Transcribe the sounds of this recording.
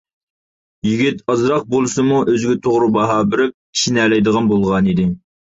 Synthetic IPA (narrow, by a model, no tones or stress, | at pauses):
jiɡʲit̪ɑzɾɑq̚bolˠɨsɨmuʔøzɡʲɪt̪ʰoʁɾubɑɦɑːbɪɾɪp̚kʲʰi̥ʃinɛːlɛjd̪əʁɑnbolˠʁɑnid̪ɪ